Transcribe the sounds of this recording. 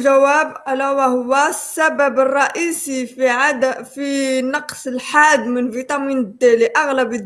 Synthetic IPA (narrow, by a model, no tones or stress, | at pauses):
ʒæwæbʕalæwæhʊwːæsːæbæbərˤːɑʔisifiʕad̪finɑqsəlħad̪mənvit̪ˤɑmind̪ːæliʔaɣləbə